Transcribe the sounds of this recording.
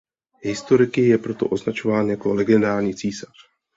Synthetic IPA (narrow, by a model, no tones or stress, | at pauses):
ɦɪst̪o̞ɾɪkɪjɛpɾo̞t̪o̞̰ʔo̞znat͡ʃo̞vaːnjako̞lɛɡɪɛndaːɾɲiːt͡siːsḁr